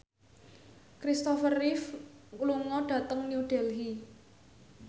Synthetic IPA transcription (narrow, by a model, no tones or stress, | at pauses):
kɾist̪ɔfərifkuluŋɔɖ̥a̤t̪əŋniudɖ̥ɛ̤lɦi